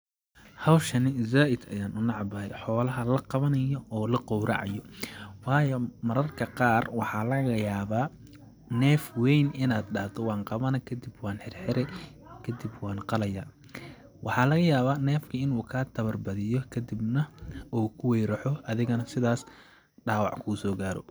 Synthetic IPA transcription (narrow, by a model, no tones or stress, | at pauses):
hɐwʃɐnɪzaːʔɪd̪ɐ̰jaːnʔʊnɑʕɑbɐɛ̰jħɔːlɐɦɐlɐqɑβɐnɐjɔɔːlɐqɔwɾʔɑ̰ʕɑ̰jɔwɑːjɔmɐɾɐrkʰɐqɑːrwɑħɑːlɐɣɐjaːβaː | nɛːfwɛjnɪnaːd̪ɖɑht̪ʰɔwɑːnqɑβɐnɐkʰɐd̪ɪbwɑːnħɛrħɪɾɛ | kʰɐd̪ibwɑːnqɑlɐja̰ː | wɑħɑːlɐɣɐjaːβaːnɛːfkʰɐɪnuːkʰɐt̪ʰɐβɐrbɐðɪjɔkʰɐd̪ɪbnɐʔɔːkʰʊwɛjɾɐħɔɐðɪɣɐnɐsɪðaːs | ɖaːwɑʕkʰuːsɔːɡaːɾɔ̰